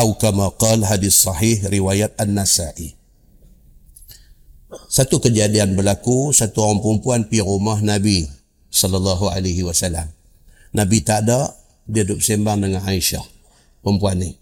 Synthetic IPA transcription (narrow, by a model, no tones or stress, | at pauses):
ʔawkamaqɑlɦadiθsɑħihɾiwajat̪̚anːasaʔi | sat̪ukəd͡ʒadianbəlakusat̪uoɣaŋpəɾumpuanpiɾumahnabi | sɔlalːɑɦua̰laɦiwasalam | nabit̪aʔda | diadʊp̚sembaŋdəŋanajʃa̰h | pəmpuanːi